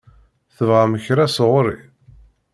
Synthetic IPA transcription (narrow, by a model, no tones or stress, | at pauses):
θəvʁaməçɾæsʁʊɾḭ